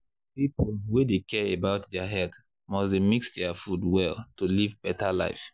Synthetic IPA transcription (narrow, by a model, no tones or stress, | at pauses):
pipolwedekɛɹebaʊtdɛaɦɛlt | mɔsdemiksdɛafudwɛlˠtulivbɛtala̰ɪf